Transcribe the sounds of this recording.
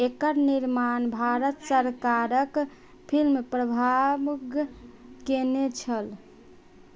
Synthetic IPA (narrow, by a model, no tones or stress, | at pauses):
ekəɾniɾmanbʱaɾət̪səɾkaɾək | pʰilmepɾəbʱabɡ | kenet͡ʃʰəl